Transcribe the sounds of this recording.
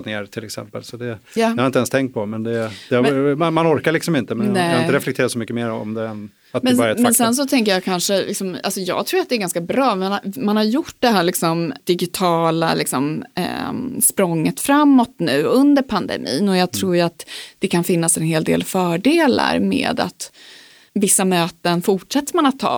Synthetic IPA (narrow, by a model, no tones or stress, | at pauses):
t̪neːɾt̪ʰɪlɛksɛ̰mpə̰lsɔd̪ɛjɑːaɾɪɛnst̪ʰɛŋk̚t̪̚pʰɔmɛnd̪ɛɛhammanɔɾkaɾɭɪksɔmɪnt̪əmɛnnɛaɪəɾɛflɛk̚t̪ʰeːɾasɔmʏkːəmeːɾɔ̰md̪ɛɛn | at̪mɛnbɑːɾaɾɛt̪mɛnsɛns̬ɔt̪ʰɛŋk̬əjɑkʰanʂəlʔɪksɔma̰lsɔjɑ̰ːɡt̪ʰɾuːɾat̪d̪ɛːɾɡanskabɾɑːmanmanhaɾjʊʈ̚ːd̪ɛɦæːɭlɪksɔmd̪̥ɪɡɪt̪ʰɑːla̰lɪksɔm̰ | spɾɔŋːət̪fɾamːɔt̪nʉ̟ːɵnd̪əɾpʰand̪ɛ̰mʔḭːnɔjɑːɡt̪ʰɾuːɾjat̪d̪̥ɛkʰanfɪnːasɛnheːld̪ḛːlfœːɖeːla̰ɾmḛːd̪a̰t̪ | vɪsːamøːt̪ənfʊʈʂɛt̪ːəɾmanat̪ʰːɑ̰ː